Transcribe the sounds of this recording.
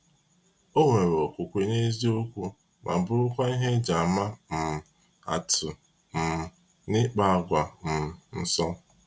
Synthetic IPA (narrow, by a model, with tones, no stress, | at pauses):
o˦ŋʷe˨ɾɔ˨kʷʊ˨kʷe˦ɲe˦zi˦o˦kʷu˦ | ma̰˨m̩˨bʊ˦ʊ˦kʷa˦i˦ɦe˦d͡ʒa˨ma˦m̩˨ | a̰˨tʊ˨ | m̩˨ | nɪ˦k͡pa˦a˦˨ɡʷa˨m̩˨n̩˨sɔ˦